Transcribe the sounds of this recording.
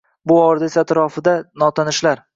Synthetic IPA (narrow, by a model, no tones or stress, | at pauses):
bʊɒɾd̪esat̪ɾɒfɪd̪anɒt̪ʰanɪʃlaɾ